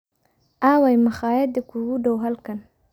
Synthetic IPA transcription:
ʔaːwajmɐχɑːjɐd̪ɐkʰuɣʊɖɔwɦɐlkʰɐn

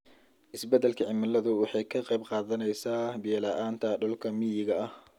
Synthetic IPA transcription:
ʔɪsbɛd̪ɐlkʰɐʕɪmɐlɐðʊwɑħɑjkʰɐqɑjbqɑːðɐnɛjsaːbiːlɐʔaːnt̪ʰɐɖɔlkʰɐmɪjɪɣɐɐh

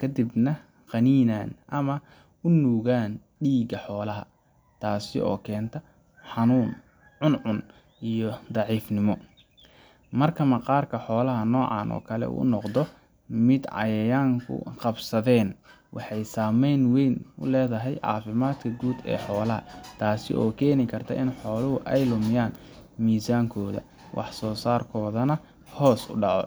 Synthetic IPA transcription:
kʰɐd̪ɪbnɐ | qɑniːnaːnʔɐmɐ | ʊnuːɣaːn | ɖiːɣɐħɔːlɐɦɐ̰ | t̪ʰaːsɪ̰ʔɔ̰ːkʰɛːnt̪ʰɐ | ħɑnuːn | ʕʊnʕʊn | ʔijɔd̪ɑʕiːfnɪmɔ | mɐrkʰɐmɐqɑːrkʰɐħɔːlɐɦɐnɔːʕɑ̰ːnʔɔ̰ːkʰɐlɛ̰ṵːnɔqd̪ɔ | mɪd̪ʕɑ̰jɐjaːŋkʰʊ̰qɑbsɐðɛːn | wʔɑ̰ħɑjsaːmɛjnwɛjnʊ̰lɛːðɐɦɛjʕɑ̰ːfɪmaːd̪kʰɐɡuːd̪ɛ̰ːħɔːlɐɦɐ̰t̪ʰaːsɪ̰ʔɔːkʰɛːnɪkʰɐrt̪ʰɐ̰ʔɪnħɔːlɐɦʊʔɛjlʊmɪjaːn | miːsaːŋkʰɔːðɐ̰ | wʔɑ̰ħsɔːsaːrkʰɔːðɐnɐ | hɔːsʊ̰ɖɑʕɔ̰

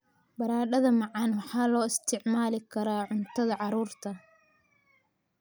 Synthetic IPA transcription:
bɐɾaːɖɐðɐmɑʕɑnwɑħɑːlɔːɪst̪ʰɪʕmaːlɪkʰɐɾaːʕʊnt̪ʰɐðɐʕɑɾuːrt̪ʰɐ

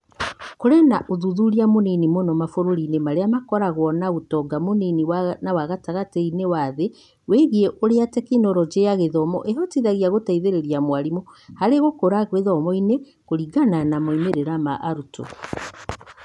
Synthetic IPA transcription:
koɾɛnaʔoðuðuɾiamoninimonɔmafoɾoɾinemaɾeamakɔɾaɣwɔnaɣotɔɡamoniniwanawaɣataɣatɛinewaðe | weɣieʔoɾeatɛkenɔɾɔd͡ʒeaɣeðɔmɔ̰ʔeɦɔtiðaɣiaɣotaiðeɾeɾjamwaɾimɔhaɾeɣokoɾaɣweðɔmɔine | koɾiɡananamoimeɾeɾamaʔaɾuto̰

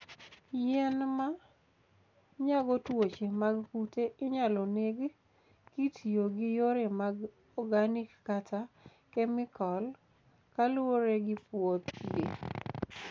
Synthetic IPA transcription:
jɛnma | ɲaɡɔtwot͡ʃemaɡkuteʔɪɲalɔneɡ | kitʰjoɡɪjoɾemaɡ | ɔɡanikːata | kɛmɪkɔl | kaloɾeɡɪpot̪jḛ

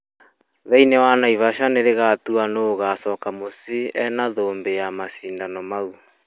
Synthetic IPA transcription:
ðɛinɛwanaiβaʃaneɾeɣatuanoːɣasɔːkamosiɛnaðoːmbejamasiːndanɔmau

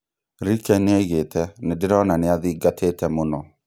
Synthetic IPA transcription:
ɾikɛneɣetʰɛnedɪɾɔnaneaðiɡatʰetɛmonɔ

